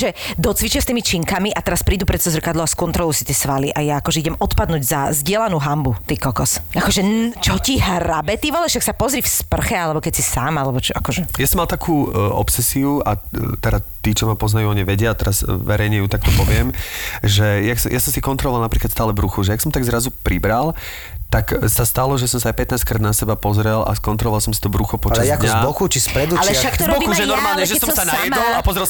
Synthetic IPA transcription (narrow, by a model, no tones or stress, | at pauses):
ʒɛd̪ɔt͡sʋit͡ʃɪast̪iːmit͡ʃiŋkamiʔat̪ɛɾaspɾiːd̪upɾɛt̪t͡sɛzr̩kad̪lˠɔʊaskɔnt̪ɾɔlˠɔʊsi̥t̪iɛsʋaliʔajaːkɔʒɛiɟɛmɔt̪pad̪nuːɟzazɟɪɛlanuːɦambut̪iːkɔkɔsakɔʒɛnt͡ʃɔciɦɾabɛt̪iʋɔlɛʃaksapɔzɾifspr̩xɛalɛbɔkɛcsisaːmalɛbɔt͡ʃɔakɔʒɛjasɔmːalt̪akʰuːɔ̰psɛsiua̰t̪ɛɾat̪iːt͡ʃɔmapɔznajuːɔɲiʋɛɟɪat̪ɛɾazʋɛɾɛjɲɛjut̪ak̚t̪ɔpɔʋɪɛmʒɛjaksɔmjasɔmsikɔnt̪ɾɔlɔʋalnapɾiːkat̪st̪aːlɛbɾuxuʒɛjaksɔmt̪aɡzɾazupɾibɾal | t̪aksast̪alɔʒɛsɔmsaajpɛt̪naːsckɾaːd̪nasɛbapɔzɾɛla̰skɔnt̪ɾɔlɔʋalˠsɔmsit̪ɔbɾuxɔpɔt͡ʃaakɲazbɔxut͡ʃispɾɛd̪ualɛʃakzbɔxuʒɛnɔɾmaːlɲɛʒɛsɔmsanajɛmɔlapɔzɾɛl